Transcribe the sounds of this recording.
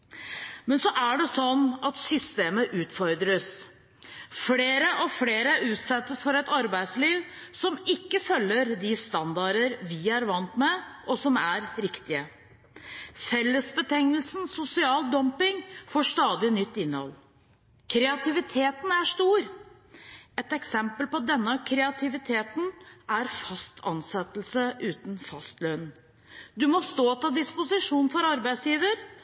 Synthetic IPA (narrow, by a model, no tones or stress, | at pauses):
mɛnsɔʔæɖɛsɔnːɑt̪sʏst̪eːməʔʉːt̪fɔɾd̪ɾəs | fleːɾəʔɔfleːɾəʔʉːt̪sɛt̪ːəsfɔɾɛt̪ɑɾbæɪd̪sliːʋsɔmɪkːəfœlːəɾd̪ɪst̪ɑnd̪ɑɾəɾʋɪæɾʋɑnt̪mɛʔɔsɔmæɾɾɪkt̪ɪə | fɛlːəsbət̪ʰɛŋəlsn̩sʊsɪɑːld̪ɔmpɪŋfoːʂt̪ɑːd̪ɪnʏt̪ːɪnːəhɔ̰lː | kʰɾɛɑt̪ɪʋɪt̪ʰeːt̪næʂt̪uːɾ | ɛt̪ɛksɛmpəlpɔd̪ɛnːəkʰɾɛɑt̪ʰɪʋɪt̪ʰeːt̪n̩æɾfɑst̪ʰɑ̰nsɛt̪l̩səʔʉːt̪nfɑst̪lœʏnn | d̪ʉmɔst̪oːt̪ʰɑd̪ɪspʊsɪʂuːnfɔɾɑɾbæɪsjiːʋəɾ